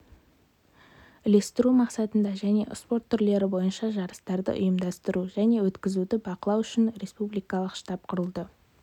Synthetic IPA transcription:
ɪle̞st̪ɪɾumɑqsɑt̪ənd̪ɑʒæne̞̰ʔspo̞rt̪ʰːʏɾle̞ɾɪbo̞jənʃɑʒɑɾəst̪ɑɾd̪ə̰ʔʊ̰jəmd̪ɑst̪əɾuʒæne̞wɵt̪kʲɪzud̪ɪbɑqəlˠɑwʏʃɪnɾe̞spublijkɑlˠəqʃt̪ɑp̚qʰʊɾəlˠd̪ə

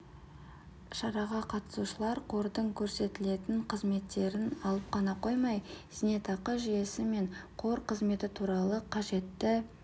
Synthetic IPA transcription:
ʃɑɾɑʁɑqʰɑt̪ə̥suʃəlˠɑɾqʰo̞ɾd̪əɴkʲʰɵɾse̞t̪ɪle̞t̪ɪɴqʰəzme̞t̪ːe̞ɾɪnɑlˠəp̚qʰɑnɑqo̞jmɑjz̥ne̞t̪ʰɑqəʒije̞sɪme̞ɴqʰo̞ɾqʰəzme̞t̪ɪt̪ʰuɾɑlˠəqʰɑʒe̞t̪ːɪ

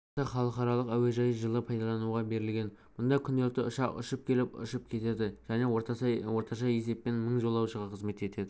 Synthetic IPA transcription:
ɑχɑlˠəqɑɾɑlˠəqæwe̞ʒɑjəʒəlˠəpʰɑjd̪ɑlˠɑnuʁɑbe̞ɾɪlɡʲe̞n | mʊnd̪ɑkʲʰʏnd̪elʲt̪ɪʊʃɑqʊ̰ʃəp̚kʲʰe̞lɪpʊ̰ʃəpkʲʰe̞t̪e̞d̪ɪʒæne̞oɾwo̞ɾt̪ɑʃɑje̞s̬e̞pːe̞nməɴʒo̞lˠɑwʃəʁɑqʰəzme̞t̪e̞t̪e̞d̪ɪ

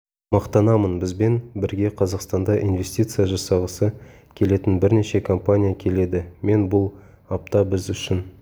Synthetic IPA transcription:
mɑqt̪ɑnɑmənbɪzbe̞nbɪɾɡʲe̞qʰɑzɑqst̪ɑnd̪ɑʔinve̞sʲt̪ʲit̪sɨjaʒɑsɑʁəsə | kʲʰe̞le̞t̪ɪnbɪɾne̞ʃe̞kʰompanʲijakʲʰe̞le̞d̪ɪme̞nbʊlˠ | ɑp̚t̪ɑbɪzʏʃɪn

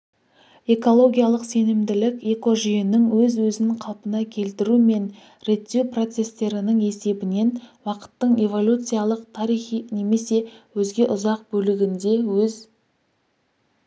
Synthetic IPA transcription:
e̞ko̞lˠo̞ɡʲijalˠəqse̞nɪmd̪ɪlɪkʲe̞ko̞ʒijɪnɪŋwɵzwɵzɪnɴqʰɑlˠpənɑkʲʰe̞lt̪ɪɾume̞n | ɾe̞t̪ːewpro̞t̪se̞st̪e̞ɾɪnɪŋe̞se̞bɪne̞nwɑqə̥t̪ːəɴe̞vo̞lʲut̪sɨjalˠəqt̪ʰɑɾijχine̞me̞se̞wɵzɡʲe̞ʔʊzɑq̚bɵlɪɡʲɪnd̪e̞wɵz

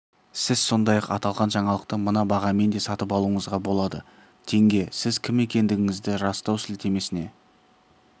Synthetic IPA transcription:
sɪz̥so̞nd̪ɑjɑqɑt̪ɑlˠʁɑnʒɑɴɑlˠəq̚t̪əmənɑbɑʁɑme̞nd̪e̞sɑt̪əpɑlˠuəɴəzʁɑbo̞lˠɑd̪ə | t̪ʰe̞ŋɡʲe̞sɪzkʲʰɪme̞kʲe̞nd̪ɪɡʲɪŋɪzd̪ɪɾɑst̪ɑwsɪlt̪ʰe̞me̞sɪne̞

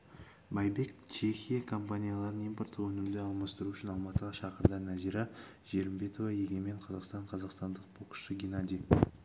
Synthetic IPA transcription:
bɑjbe̞kt͡ʃʰe̞xʲijakʰo̞mpanʲijalˠɑɾənijmpo̞rt̪əwɵnɪmd̪eɑlˠmɑst̪əɾuʏʃɪnɑlˠmɑt̪əʁɑʃɑqəɾd̪ɑnæziɾa | ʒ̥e̞ɾɪmbe̞t̪o̞vɑje̞ɡʲe̞me̞ɴqʰɑzɑqst̪ɑɴqʰɑzɑqst̪ɑnd̪əq̚bo̞qə̥ʃəɡʲenad̪ʲij

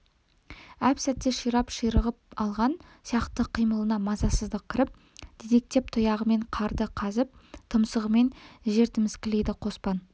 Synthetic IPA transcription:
æpsæt̪ːe̞ʃijɾɑpʃijɾəʁəp̚ɑlˠʁɑnsijɑqt̪əqʰijməlˠənɑmɑzɑsəzd̪əq̚kʲʰɪɾɪp̚ | d̪̥ed̪e̞k̚t̪e̞p̚t̪ʰʊjɑʁəme̞ɴqʰɑɾd̪əqʰɑzəp̚t̪ʰəmsəʁəme̞nʒe̞ɾt̪ɪmɪz̥kʲɪlejd̪ɪqʰo̞spɑn

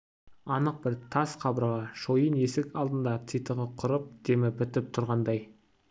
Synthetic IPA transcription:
ɑnəq̚bɪɾt̪ʰɑsqʰɑbəɾʁɑʃo̞jəne̞sɪkʲɑlˠd̪ənd̪ɑt̪sit̪əʁəqʰʊɾəp̚d̪̥emɪbɪt̪ɪp̚t̪ʰʊɾʁɑnd̪ɑj

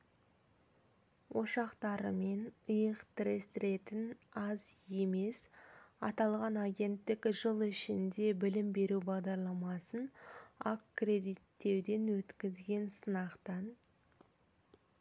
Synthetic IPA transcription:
wʔo̞ʃɑqt̪ɑɾəme̞nəjəqt̪ɪɾest̪ɾe̞t̪ɪnɑzje̞me̞sɑ̰t̪ɑlˠʁɑnɑɡʲe̞nt̪ːɪkʲʒəlˠɪʃɪnd̪e̞bɪlɪmbe̞ɾubɑʁd̪ɑɾlˠɑmɑsənɑkːre̞d̪ijt̪ːe̞wd̪e̞nwɵt̪kʲɪzɡʲe̞nsənɑqt̪ɑn

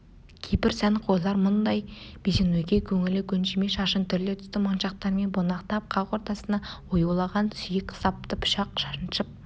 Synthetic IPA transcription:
kʲʰejpɪɾsænqʰojlˠɑɾmʊnd̪ɑjb̥ezenwɵjɡʲe̞kʲʰɵŋɪlɪkʲʰɵnʃeme̞ʃɑʃənt̪ʰʏɾd̪e̞t̪ʰʏ̥st̪ɪmonʃɑq̚t̪ɑɾme̞nbonɑqt̪ɑp̚qʰɑʁwo̞ɾt̪ɑsənɑwojuwlˠɑʁɑnsʏjɪkʲsɑp̚t̪əpʰʊ̥ʃɑqʃɑʃənʃəp̚

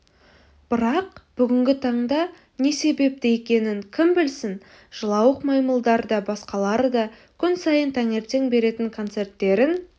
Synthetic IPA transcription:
b̥ɪɾɑqb̥ʏɡʲɪŋɡʲɪt̪ʰɑɴd̪ɑ | ne̞se̞be̞p̚t̪ɪe̞kʲe̞nɪŋkʲʰɪmbɪlsɪn | ʒ̥əlˠɑwəqmɑjməlˠd̪ɑɾd̪ɑbɑsqɑlˠɑɾəd̪ɑ | kʲʰʏnsɑjənt̪ʰæŋe̞ɾt̪e̞ŋbe̞ɾe̞t̪ɪŋkʰo̞nt̪se̞rt̪ːe̞ɾɪn

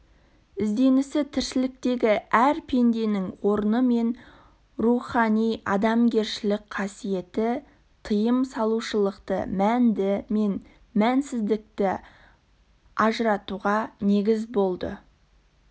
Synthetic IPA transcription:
ɪzd̪e̞nɪsɪt̪ʰɪɾsɪlɪk̚t̪e̞ɡʲɪæɾpʰe̞nd̪e̞nɪŋwo̞ɾənəme̞n | ruχɑnijɑd̪ɑmɡʲe̞ɾʃɪlɪk̚qʰɑsije̞t̪ɪ | t̪ʰəjəmsɑlˠuʃəlˠəqt̪ə̰mænd̪ɪme̞n | mænsɪzd̪ɪk̚t̪ɪ | ɑʒəɾɑt̪uʁɑne̞ɡʲɪzbo̞lˠd̪ə̰

